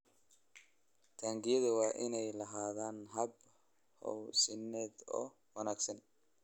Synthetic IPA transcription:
t̪ʰaːŋɡɪjɐðʊwɑːʔɪnɛjlɐɦaːðaːnɦɐb | hɔ̰wsɪnːɛːd̪ɔ̰ː | wɑnaːɡsɐn

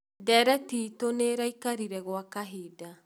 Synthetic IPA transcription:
dɛɾɛtiːtoneɾaikaɾiɾɛɣwakaɦiːda

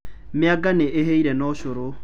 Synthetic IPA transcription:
mɪaɡaneʔeɦeiɾɛnɔʃoɾo

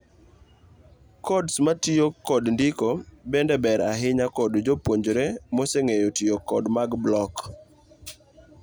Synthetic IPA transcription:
kɔdsmatiokːɔdndikobɛndɛbɛɾaɦɪɲakɔdd͡ʒopwoɲd͡ʒɾemɔseŋejotiokɔdmaɡblɔk

